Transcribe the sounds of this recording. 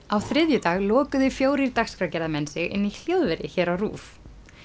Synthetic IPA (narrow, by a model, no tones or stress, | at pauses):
awθɾɪðjʏt̪aːɣlɔːkʏðʏfjoːwɾiɾt̪axskɾacɛɾðamɛnsɪɣɪ̰nːil̥jowðvɛɾɪ̰çɛːɾawrṵːf